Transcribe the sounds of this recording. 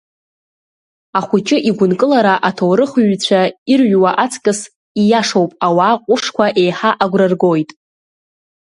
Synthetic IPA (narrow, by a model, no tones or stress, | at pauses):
aχʷʊt͡ʃʼɪʔiɡʷʊnkʼɨlaɾaʔatʰowɾɨχɥt͡ɕʷʰairɥwaʔat͡sʰkʼɨs | ijaʂowpʼawaːqʷʼʊʂkʷʰaʔe̞jħaʔaɡʷrarɡojtʼ